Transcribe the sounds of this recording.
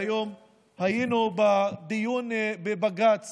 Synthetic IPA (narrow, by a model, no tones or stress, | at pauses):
jom | hajinubad̪ijunbebaɡat͡s